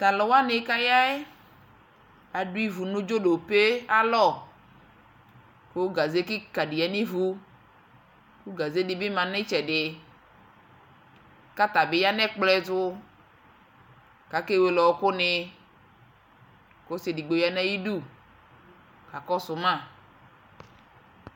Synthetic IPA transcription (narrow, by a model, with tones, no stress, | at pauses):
t̪a˨lɔ˨wa˦ne˨˦ka˦ja˦e˦ | a˨ɖu˦i˦vu˨nũ˦d͡ʒo˦ɖo˨pe˦a˦lɔ˦˨ | ke˦wo˦ɡa˨ze˦ki˦ka˨ɖi˨a˨nĩ˦vu˦ | ku˦ɡa˨ze˦dɪ˨be˦mã˨nẽ˦t͡ʃɛ˨ɖɪ˨ | ka˦t̪a˨be˨˦ja˦nɛ̃˦k͡plɛ˦tʊ˦ | ka˨˦ke˦we˦lɔ˨wko˦nɪ˦ | ko˦se˨di˨ɡ͡bo˨ja˦nɛ̃˦ji˦ɖu˦˨ | ka˨kɔ˦sʊ˨mã˦˨